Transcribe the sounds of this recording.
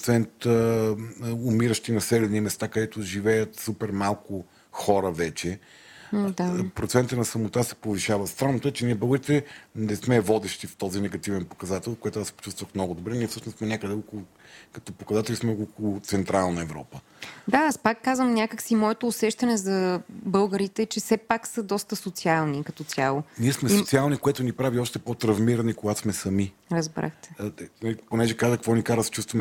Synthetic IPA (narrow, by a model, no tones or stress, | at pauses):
t̪sɛnt̪ | omiɾəʃt̪inɐsɛlɛnimɛst̪akɐd̪ɛt̪ʊʒivɛjət̪supɛɾmalˠkʊ | xɔɾəvɛt͡ʃɛ | d̪apɾot̪sɛnt̪ənɐsɐmot̪asɛ̥poviʃavɐst̪ɾanːot̪əɛt͡ʃɛniɛbəɡɾit̪ɛnɛsmɛvɔd̪ɛʃt̪ift̪ɔzinɛɡɐt̪ivɛnpo̥kɐzat̪ɛlˠkojɛt̪ʊaspo̥t͡ʃust̪vəxmnɔɡʊd̪obɾɛniɛfsɤʃnosmɛnʲakəd̪ɛɔkʊlˠokɐ̥t̪ɔpokɐzat̪ɛlʲismɛnɔɡokolʊt̪sɛnt̪ɾalˠnəɛvɾɔ̰pə | d̪aaspakːazvəmnʲakəksimɔɛt̪oːsɛʃt̪ɐnɛzɐbɤlˠɡəɾit̪ɛt͡ʃɛsɛpaksəd̪ɔst̪əsot̪sialˠnikɐt̪ɔt̪sʲjalˠoniɛsmɛsosialˠnikoɛt̪ʊnipɾaviɔʃt̪ɛpot̪ɾɐvmiɾɐnikoɡasmɛsɐmi | ɾəzbɾa̰xt̪ɛ̥nɐliponɛʒɛkazəkvɔnikaɾəst͡ʃust̪vɐmɛ